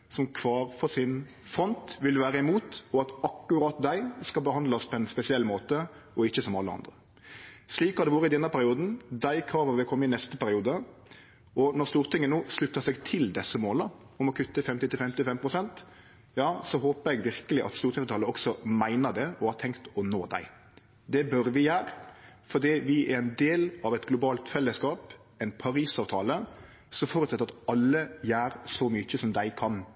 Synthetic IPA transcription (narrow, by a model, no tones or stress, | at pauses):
sɔmkʰʋɑːɾfɔsɪn | fɾɔnt̪ʋɪlʋæːɾəɪmuːt̪ɔɑt̪ɑkːʉɾɑːt̪̚d̪æɪskɑlbəhɑnd̪lɑspʰɔɛnspɛsɪɛlːmoːt̪ə | ɔɪçːəsɔmɑlːəɑ̰nd̪ɾə | sliːkɑd̪ɛʋɑːɾəɪd̪ɛnːəpʰæɾɪuːd̪n̩d̪æɪkʰɾɑːʋəʋɪlkʰɔmːɪnɛst̪əpæɾɪuːd̪ə | ɔnɔɾst̪uːɾt̪ɪŋːənuːslʉt̪ːəsɛɡt̪ʰɪld̪ɛsːəmoːlə | ɔmɔkʰʉt̪ːəfɛmt̪ɪt̪ɪfɛmt̪ɪfɛmpʰɾʊsɛnt̪ | jɑːsɔɦoːpəɾɛɡʋɪɾkəlɪʔɑ̰t̪st̪uːɾt̪ʰɪŋst̪ʰɑːləɔksɔmæɪnəd̪ɛɔhɑːɾt̪ʰɛŋkt̪ɔnoːd̪æ̰ɪ | d̪ɛbœɾʋɪjæːɾfɔd̪iːʋɪʔæɾɛɪnd̪eːlɑʋɛt̪ɡlʊbɑːlt̪fɛlːəskɑːp | ɛnpʰɑɾiːsɑːʋt̪ʰɑːlə | sɔmfɔːɾʉt̪sɛt̪ːəɾɑt̪ɑlːəjæːɾsɔmʏçəsɔmd̪æɪkʰɑn